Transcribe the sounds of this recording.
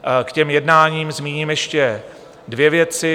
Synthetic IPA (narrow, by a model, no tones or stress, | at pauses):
kcɛmjɛdnaːɲiːmzmiːɲiːmjɛʃcɛ | dvjɛvjɛt͡sɪ